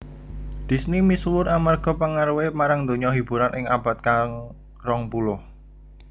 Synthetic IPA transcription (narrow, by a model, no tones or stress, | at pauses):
d̪̥i̤snimiswʊɾamarɡ̥ɔ̤pəŋaɾwemaɾaŋd̪oɲɔɦib̥ṳɾanʔɪŋab̥a̤t̪̚kaŋ | rɔŋpulʊh